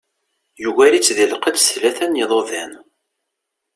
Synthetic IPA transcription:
juɣælit͡sːðəlqəd̪slæθænjəðˤoðæn

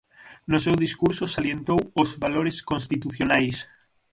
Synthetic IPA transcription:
nʊsewðiskuɾsosaljent̪owozβaloɾeskonst̪it̪uθjonajs

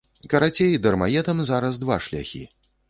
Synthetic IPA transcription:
kɐɾat͡sʲejid̪ɐrmajɛt̪ɐmzaɾɐzd̪vaʂlʲa̰xʲḭ

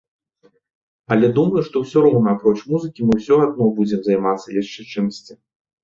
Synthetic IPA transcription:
ɐlʲɛd̪umɐjuʂt̪ɔwsʲɔɾɔwnɐapɾɔt͡ʂmuzɨkʲimɨwsʲɔad̪̚nɔbud͡zʲɛmzajmat̪sːɐjaʂt͡ʂɛt͡ʂɨmsʲt͡sʲi

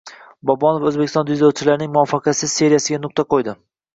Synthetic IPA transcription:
bɒbɒnovɵzbekʲɪst̪ɒnd̪ʊjd̪owt͡ʃʰɪlaɾɪnɪŋmʊɒfɑqʰɑsɪzse̞ɾijasɪɡʲanʊq̚t̪aqojd̪ɪ

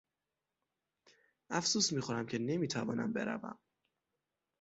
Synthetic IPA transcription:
ʔæfsuːsmiːxoɾæmcʰene̞miːt̪ʰævɒːnæ̰mbe̞ɾæ̰væ̰m

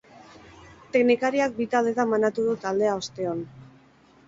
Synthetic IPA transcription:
t̪e̞knikaɾiak̚bit̪ald̪e̞t̪amanat̪uðut̪ald̪e̞ao̞st̪e̞on

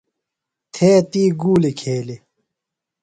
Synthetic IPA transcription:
t̪ʰeːt̪iːɡuːlekʰeːle

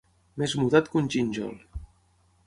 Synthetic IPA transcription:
mezmut̪at̪kunʲt͡ʃinʲd͡ʒɔ̰l

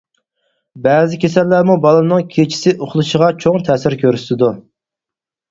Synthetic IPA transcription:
bɛːzɪkʲʰesɛlːæɾmubɑlˠɨmnɨŋkʲʰet͡ʃʰi̥sɪʔoχlˠuʃəʁɑt͡ʃʰoŋt̪ʰɛːsɪɾkʲʰøɾyst̪ɪd̪u

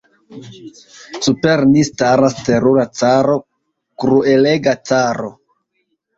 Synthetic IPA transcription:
supeɾnistaɾaste̞ɾuɾat͡saɾo̞ | kɾueleɡat͡saɾo̞̰

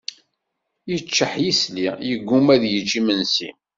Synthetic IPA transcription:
jət͡ʃːəħjislijəɡːumæðjət͡ʃːimənsḭ

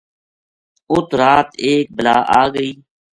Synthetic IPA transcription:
ʊt̪ɾaːt̪eːk̚bəlaːʔaːɡəiː

